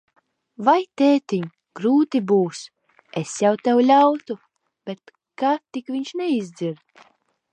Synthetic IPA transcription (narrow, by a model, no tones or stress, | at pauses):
vajt̪eːt̪iɲ | ɡ̥ɾuːt̪ibuːs | esjawt̪ɛwlʲawt̪u | b̥ʲet̪̚ | kat̪ikvʲiɲʃnɛizd̪ziɾ